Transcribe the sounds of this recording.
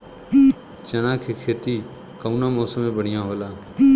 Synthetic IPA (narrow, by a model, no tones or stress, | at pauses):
t͡ʃənãːkʰikʰeːt̪iː | kəunãːmɔːsəmẽːbəɽ̤ɪjãːɦoːlaː